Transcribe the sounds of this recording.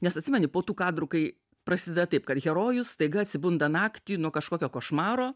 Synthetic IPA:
nʲɛsɐt̪ʲsʲɪmʲɛnʲɪpoːt̪uːkɑːd̪ɾʊkɐɪ | pɾɐsʲɪːd̪ʲɛd̪ɐt̪ɐɪpkɐt̪ɣʲɛɾoːjʊst̪ɐɪɡɐɐt̪ʲsʲɪbʊnd̪ɐnɑːkt̪ʲɪjuːnuɔkɐʃkoːkʲoːkoːʃmɑːɾoː

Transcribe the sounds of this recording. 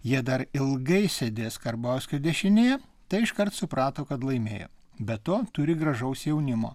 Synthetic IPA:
jiɛd̪ɐɾɪlˠɡɐɪsʲɛd̪ʲeːskɐɾbɑʊsʲkʲod̪ʲɛʃʲɪnʲeːjɛ | t̪ɐɪɪʃkɐɾt̪sʊpɾɑːt̪oːkɐt̪lˠɐɪmʲeːjo̰ | bʲɛt̪oːt̪ʊɾʲɪɡɾɐʒɐʊsjɛʊnʲɪmo̰ː

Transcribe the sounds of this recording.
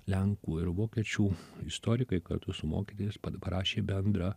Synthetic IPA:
lʲɛŋkuːɪɾʋoːkʲɛt͡ʃʲuːɪst̪oːɾʲɪkɐɪkɐ̰ɾt̪ʊsʊmo̰ːkʲit̪ʲoːjɪspɐpɐɾʔɑːʃʲeːbʲɛnd̪ɾɐ

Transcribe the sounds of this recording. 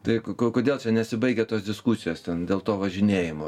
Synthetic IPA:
t̪ɐɪkkokoːd̪ʲeːlˠt͡ʃʲɛnʲɛsʲɪbɐɪɡʲɛt̪oːsd̪ʲɪskusʲɪjoːst̪ʲɛnd̪ʲeːlˠt̪oːʋɐʒʲɪnʲeːjɪmoː

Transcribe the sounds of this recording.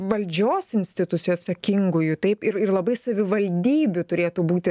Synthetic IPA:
ʋɐlʲd͡ʒʲoːsɪnʲsʲt̪ʲɪt̪ʊt̪sʲjoːɐt̪sɐkʲɪŋɡʊjʊt̪ɐɪpɪɾɪrlˠɐbɐɪsɐʋʲɪʋɐlʲd̪ʲiːbʲʊt̪ʊɾʲeːt̪uːbuːt̪ʲɪ

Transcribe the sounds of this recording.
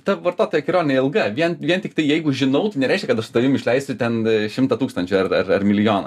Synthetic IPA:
t̪ɐʋɐrt̪oːt̪oːjɛkʲɪɾoːnʲɪnʲeɛɪlˠɡɐʋʲiɛnʋʲiɛnt̪ʲɪkt̪ɐɪjɛɪɡʊʒʲɪnɐʊt̪ɐɪnʲɛɾʲɛɪʃʲkʲɛkɐt̪ɐʃst̪ɐʋʲɪmɪʃʲlʲɛɪst̪ʊt̪ʲɛnʃʲɪmt̪ɐt̪uːkst̪ɐnʲt͡ʃʲʊɐrɐrɐrmʲɪlʲɪjoːnɐ

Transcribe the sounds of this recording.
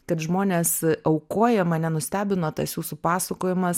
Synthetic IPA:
kɐt̪ʒmoːnʲeːsɐʊkoːjɛmɐnʲɛnʊsʲt̪ʲæːbʲɪnoːt̪ɐsjuːsupɑːsɐkoːjɪmɐs

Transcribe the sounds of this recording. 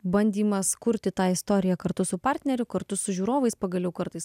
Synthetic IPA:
bɐnʲd̪ʲiːmɐskʊɾʲt̪ʲɪt̪ɑːɪst̪oːɾʲɪjɛkɐɾt̪ʊsʊpɑːɾʲt̪ʲnʲɛɾʲʊkɐɾt̪ʊsʊʒʲuːɾoːʋɐɪspɐɡɐlʲɛʊkɐɾt̪ɐɪs

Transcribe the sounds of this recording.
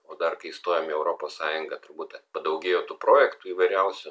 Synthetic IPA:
oːd̪ɐrkɐɪst̪oːjomiɛʊɾoːpoːssɑːjʊŋɡɐt̪ʊɾbuːt̪ʲɐpɐd̪ɐʊɡʲeːjoːt̪uːpɾoːjɛkt̪uiːʋɐɪɾʲɛʊsʲʊ

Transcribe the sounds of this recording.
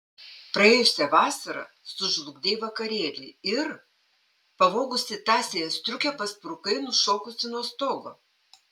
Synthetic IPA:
pɾɐeːjʊsʲɛʋɑːsɐɾɐ̰ | sʊʒlˠʊɡd̪ʲeːjʋɐkɐɾʲeːlʲɪɪɾ | pɐʋoːɡʊsʲɪt̪ɑːsʲeːjɛst̪ʲɾʲʊkʲɛpɐspɾʊkɐɪnʊʃoːkʊsʲɪnuɔst̪oːɡoː

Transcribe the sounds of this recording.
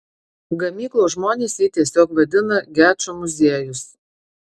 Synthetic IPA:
ɡɐmʲiːklˠoːʒmoːnʲeːsʲjit̪ʲiɛsʲoːkʋɐd̪ʲɪnɐɡʲæːt͡ʃomʊzʲeːjʊs

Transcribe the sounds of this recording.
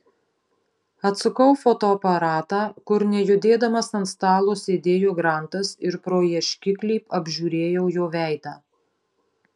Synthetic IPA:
ɐt̪sʊkɐʊfɔt̪oːɐpɐɾɑːt̪ɑːkʊɾnʲɛjʊd̪ʲeːd̪ɐmɐsɐnt̪st̪ɑːlˠoːsʲeːd̪ʲeːjoːɡɾɑˑnt̪ɐsɪɾpɾoːjɛʃʲkʲɪklʲiːpɐbʲʒʲuːɾʲeːjɛʊjoːʋʲæˑɪd̪ɑː

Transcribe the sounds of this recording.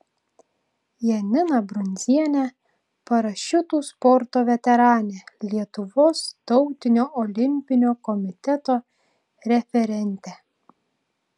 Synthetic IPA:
jɛnʲɪnɐbɾʊnʲzʲiɛnʲɛ | pɐɾɐʃʲʊt̪uːspɔɾt̪oːʋʲɛt̪ʲɛɾɑːnʲeːlʲiɛt̪ʊʋoːst̪ɒʊt̪ʲɪnʲoːʔɔlʲɪmʲpʲɪnʲoːkɔmʲɪt̪ʲɛt̪oː | ɾʲɛfʲɛɾʲɛnʲt̪ʲɛ

